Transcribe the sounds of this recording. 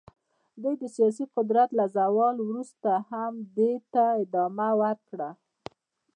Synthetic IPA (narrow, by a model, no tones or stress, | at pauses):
d̪ujd̪əsijɑs̬iqʊd̪ɾat̪lazawɑlwɾust̪ahamd̪et̪aɪd̪ɑmawaɾkɽa